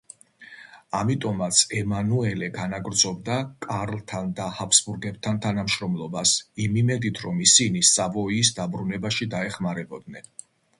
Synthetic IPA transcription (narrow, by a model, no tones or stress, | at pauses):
amit̪ʼɔmat̪sʰɛmanuɛlɛɡanaɡɾd̪zɔb̚d̪akʼaɾlˠt̪ʰand̪ahapʰsbuɾɡɛb̚t̪ʰant̪ʰanamʃɾɔmlˠɔbasimimɛd̪it̪ʰɾɔmisinisavɔiːsd̪abɾunɛbaʃid̪aɛχmaɾɛbɔd̪nɛn